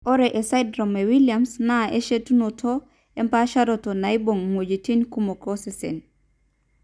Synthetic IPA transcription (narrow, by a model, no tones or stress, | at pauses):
ʔoɾeʔesajdɾomewiliamsnaeʃetunotʰo | empaʃaɾotonajboŋmod͡ʒitinkumokosesḛn